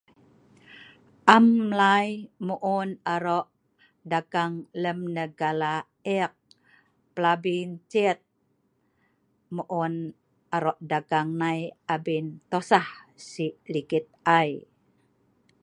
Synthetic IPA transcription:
ʔamlajmuʔunaɾɔʔ | daɡaŋləmnəɡala | ɛk̚ | plabint͡ʃit̪̚ | muʔun | aɾɔʔdaɡaŋnajabint̪ɔsahsilikit̪̚aj

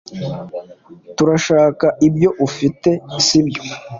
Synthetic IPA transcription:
tuɾaʃaːkaʔibɟo̞ʔufite̞sibjo̥

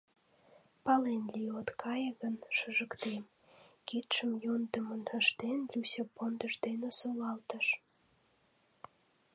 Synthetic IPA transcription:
pɑlenliot̪kʰɑjəɣənʃəʒəkt̪em | kit̪ʃəmjond̪əmənəʃt̪enlʲusʲepond̪əʃd̪enosoβɑlt̪əʃ

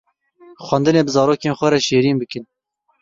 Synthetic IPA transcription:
xwænd̪ɨneːbɨzɑːɾoːkeːnxʷɛɾɛʃeːɾiːnbɨkɨn

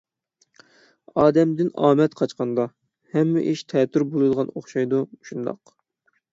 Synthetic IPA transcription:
ɑːd̪ɛmd̪ɪnɑːmɛt̪qʰɑt͡ʃqɑnd̪ɑ | hɛmːɪ̰ʔiʃt̪ʰɛt̪ʰːyɾbolˠɨd̪əʁɑnoχʃɑjd̪uʃund̪ɑ̰q

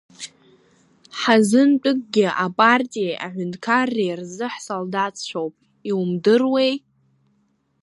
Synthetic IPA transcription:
ħazɨnt͡pʷʼʊkʼɡʲɪʔapʼartʼijejʔaʕʷʊndʼkʰarːejrzɨħsoldat͡st͡ʃʷʰowpʼ | iumdɨrwe̞j

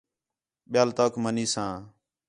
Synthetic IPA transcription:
ɓɪjaːlt̪oːkməniːsãː

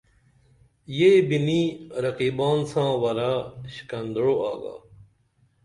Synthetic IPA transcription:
jeːbiniːɾɐqiːbaːnsãːwɐɾaːɕi̥kɐnd̪ɽoa̰ːɡa̰ː

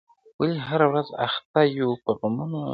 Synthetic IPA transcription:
waliɦaɾawɾaza̰xt̪ajupəɣamuno

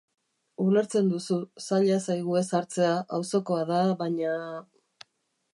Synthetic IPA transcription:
ule̞ɾt͡se̞nd̪ususaʎasajɣ̞ue̞saɾt͡se̞aʔawso̞ko̞aðaβaɲa

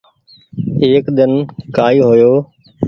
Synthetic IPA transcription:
eːkd̪ɪnkaːiːɦʊjoː

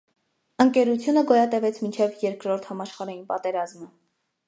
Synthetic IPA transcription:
əŋkɛɾut͡sʰjunəɡɔjɑt̪ɛvɛt͡sʰmint͡ʃʰɛvjɛɾkɾɔɾt̪ʰhɑmɑʃχɑɾɑjinpɑt̪ɛɾɑzmə

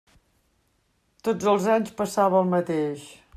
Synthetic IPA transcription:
t̪od͡zəlˠzaɲspəsaβəəlˠmət̪eʃ

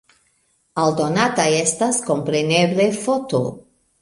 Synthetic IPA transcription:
aldo̞natajestasko̞mpɾe̞ne̞ble̞fo̞to

